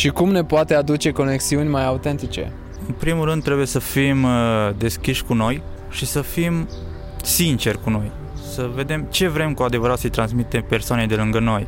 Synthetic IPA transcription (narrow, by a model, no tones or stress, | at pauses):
ʃikumne̞poat̪e̞ad̪ut͡ʃe̞ko̞ne̞ksiunʲmajaut̪e̞nt̪it͡ʃe̞̰ | ɨnpɾimuɾɨnd̪t̪ːɾe̞buje̞səfimd̪e̞skʲiʃʲkuno̞j | ʃisəfim | sint͡ʃe̞rʲkuno̞j | səve̞d̪e̞mt͡ʃe̞vɾe̞mkuad̪e̞vəɾat̪səjt̪ɾansmit̪e̞mpe̞rsoanejd̪e̞lɨŋɡəno̞j